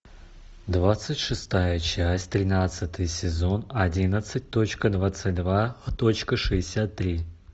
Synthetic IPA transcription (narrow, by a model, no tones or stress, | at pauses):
d̪vat̪sɨtʲʂɨst̪ajət͡ɕæsʲtʲt̪ɾʲɪnat̪sɨt̪ɨjsʲɪzo̞nɐdʲinət̪sɨt̚ʲt̪o̞t͡ɕkəd̪vat̪sɨt̚ʲd̪vat̪o̞t͡ɕkəʂɨɪsʲat̪ːɾʲi